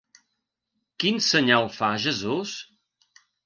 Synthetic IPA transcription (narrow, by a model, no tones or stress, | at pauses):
kinsəɲalˠfaʒəzus